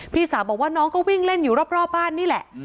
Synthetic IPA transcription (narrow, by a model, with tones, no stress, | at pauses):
pʰiː˥˩saː˩˦wbɔː˨˩k̚waː˥˩nɔː˦˥ŋkʰɔ˦˥˩wi˥˩ŋle˥˩njuː˨˩˦ɾa˦˥˩p̚ɾɔː˥˩p̚baː˥˩nːiː˥˩lɛ˨˩ʔ